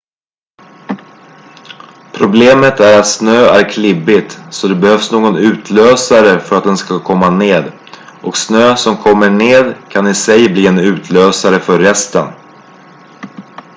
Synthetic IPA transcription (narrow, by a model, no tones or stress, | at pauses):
pʰɾʊbleːmət̪æɾat̪snøːæɾkʰlɪbɪt̪sɔd̪ɛbɛhœvsnoːɡɔnʉ̟ːt̪ʰløːsaɾəfœɾat̪̚d̪ɛnskakʰɔmːaneːd̪ | ʔɔksnøːsɔmkʰɔmːəɳeːd̪kʰanɪsɛjbliːɛnʉ̟ːt̪ʰløːsaɾəfœɾːɛst̪ə̰n